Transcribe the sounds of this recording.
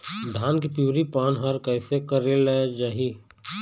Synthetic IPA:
d̪ʱaːnkipjuːɾipaːnɦəɾkəɪsekəɾelad͡ʒaːɦiː

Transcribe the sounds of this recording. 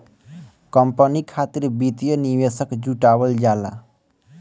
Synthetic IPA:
kʌmpənikʰat̪iɾbit̪jʌniwesʌkd͡ʒuʈawʌld͡ʒala̰

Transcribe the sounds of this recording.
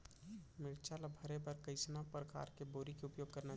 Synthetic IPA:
mɪɾt͡ʃʰalabʱəɾebəɾkəɪsnapɾəka̰ɾkeboːɾikeʊpjoːɡ̚kəɾna

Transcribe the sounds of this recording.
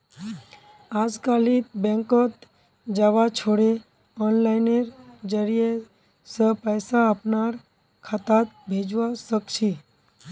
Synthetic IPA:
aːd͡ʒkalibɛ̃ŋkɔt̪ | d͡ʒaʋat͡ʃʰoɽe | ɔnlaɪneɾd͡ʒəɾije | səpəjsaəpnaɾ | kʰat̪at̪̚bʱed͡ʒʋasəkt͡ʃʰi

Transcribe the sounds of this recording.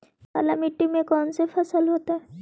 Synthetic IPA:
ka̰lamiʈːimekɔnsefʰəsəlɦot̪a

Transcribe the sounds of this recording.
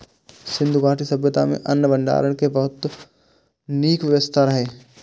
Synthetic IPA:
sɪ̃nd̪ʱubaːɾʈisɐbjət̪a̰mḛ̃ʔɐnːbɐ̃ɳɖa̰ːɾəɽ̃kebɐɦʊt̪ | niːkʋəʋəst̪ʰaɾɐɦeː

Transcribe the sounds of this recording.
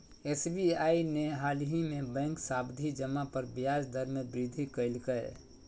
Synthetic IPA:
esbiaineɦalɦimẽbɛ̃ːŋksabd̪ʱid͡ʒəmapəɾbjad͡ʒd̪əɾmebɾid̪ʱikəɪlkə

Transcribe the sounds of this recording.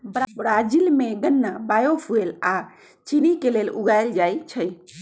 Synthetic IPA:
bbɾad͡ʒilmeɡənːabajosʰuela | t͡ʃinikeleluɡajld͡ʒajt͡ʃʰəj

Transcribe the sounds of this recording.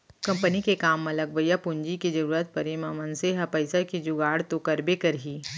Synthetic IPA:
kɐ̃mpənikekaːmːɐlɐɡbəjapʊɲd͡ʒiked͡ʒɐɾuːɾət̪̚pɐɾimamɐnseɦapɐɪsakid͡ʒʊɡaːɽt̪okɐɾbekɐɾɦiː

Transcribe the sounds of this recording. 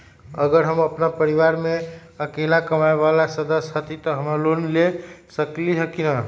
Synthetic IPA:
əɡəɾɦəməpnapəɾiʋaɾmeəkelakəmaebalasəd̪əsɦət̪it̪ɔɦəməɾlonlesəkliɦəkina

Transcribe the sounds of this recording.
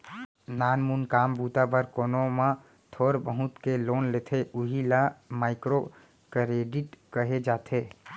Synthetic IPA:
naːnmunkaːmbut̪abəɾkoːnoma | t̪ʰoːɾbəɦʊ̃t̪keloːnlet̪ʰeʔuɦilamaːɪkɾo | kɾeɖiʈkəɦed͡ʒaːt̪ʰe

